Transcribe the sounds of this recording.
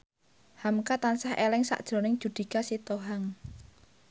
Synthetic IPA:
hamkat̪ansahelɪŋsa̰ʔd̥ʒ̥ɾo̤nɪŋd̥ʒ̥ṳd̪̥i̤kasit̪oɦaŋ

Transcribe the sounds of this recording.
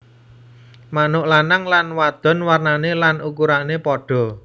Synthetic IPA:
manʊʔlanaŋlanwad̪̥ɔ̤nwarnanelanʔukuɾanepɔɖ̥ɔ̤

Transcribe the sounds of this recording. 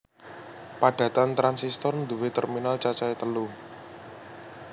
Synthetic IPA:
paɖ̥ä̤t̪ant̪ɾansist̪ɔrnd̪uwet̪ɛrminalt͡ʃat͡ʃaet̪əlu

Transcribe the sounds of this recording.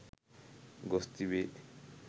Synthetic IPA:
ɡɔst̪ibe

